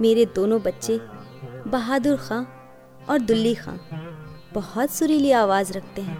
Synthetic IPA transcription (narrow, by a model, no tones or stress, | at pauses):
meːɾed̪oːnõbɐtːʃe | bɐɦaːd̪ʊɾxãː | ɔːɾd̪ʊlːixã̰ːb̥ɐhɔt̪sʊɾilieaːʋaːzɾɐkʰt̪eɦɛ̃ː